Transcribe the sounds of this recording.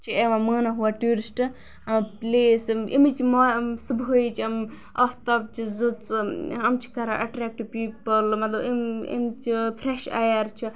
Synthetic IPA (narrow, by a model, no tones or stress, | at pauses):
t͡ʃʰieʋãməːnaɦuaʈuːɾisʈɨ | pleːsḭmit͡ʃimosɨbʱojt͡ʃʰiɐm | ɐfʰt̪ɐb̚t͡ʃʰizɨt͡sɐmt͡ʃʰi̥kɐɾa̰ʔɐ̰ʈɾeːk̚ʈipiːpɐlmɐt̪lɐbiḭmt͡ʃʰipʰɾeʃa̰jɐɾt͡ʃʰi